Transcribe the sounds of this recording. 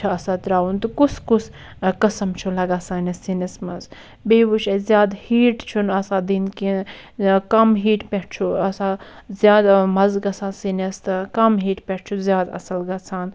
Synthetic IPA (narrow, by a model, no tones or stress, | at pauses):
aɐsat̪ɾaːunt̪ukuskus | kɐsɐmt͡ʃʰulɐɡasaːnʲɐsinɐsmɐz | beːʋut͡ʃʰɐzʲjaːd̪hiːʈt͡ʃʰunɐsaːd̪inki | kɐmɦiːʈpʲɛʈ̚ʰt͡ʃʰuɐsazjaːd̪mɐzɡɐsʰãːsinest̪ɨkɐmɦiːʈpʲɛʈ̚t͡ʃʰuzjaːd̪ɐ̰sɐlɡɐsʰaːn